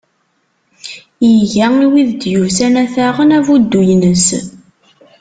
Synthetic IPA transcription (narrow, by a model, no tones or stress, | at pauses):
jəʝæiwiðd̪juvθænæθæʁənævud̪ːujnəs